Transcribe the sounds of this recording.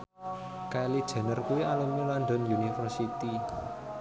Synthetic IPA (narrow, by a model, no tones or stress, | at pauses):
kajlid̥ʒ̥ɛ̤nərkuwiʔaləmulanɖ̪ɔnjunifərsit̪i